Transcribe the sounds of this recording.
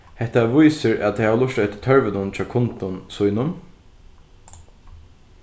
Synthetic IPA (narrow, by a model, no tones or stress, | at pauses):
hɛht̪aʋʊjsɪɹa̰t̪ʰjhaːʋlʊʂt̪œɥt̪ɪ̥t̪ʰœɹʋɪnʊnt͡ʃʰaːkʰʊnt̪ʊnsʊjnʊn